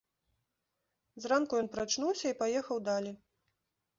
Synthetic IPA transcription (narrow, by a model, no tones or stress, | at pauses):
zrankujɔnpɾat͡ʂnuwsʲɐipajɛxɐwd̪alʲi